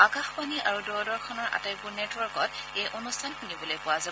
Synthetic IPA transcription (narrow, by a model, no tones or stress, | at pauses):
akaxpaniʔa̰ɹudɔɹdɔɹkʰɔnɔɹʔa̰tajpuɹnetwɔɹkɔtejʔonustʰankʰunibɔlojpʊwaza